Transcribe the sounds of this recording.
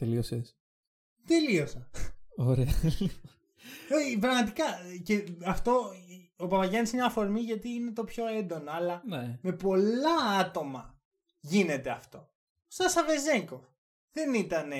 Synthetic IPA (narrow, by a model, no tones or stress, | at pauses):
t̪elioses | t̪e̞lio̞sɐoɾeɐi | opɾɐɣmɐt̪̬ikɐceɐft̪o̞opɐpɐʝɐnisinɲɐːfo̞ɾmiʝɐt̪iːne̞t̪o̞pço̞e̞nd̪o̞noɐlɐneme̞po̞lɐɐt̪o̞mɐ | ʝine̞t̪e̞ɐft̪o̞ | st̪ɐsɐve̞ze̞ŋko̞ | ðe̞nit̪ɐne̞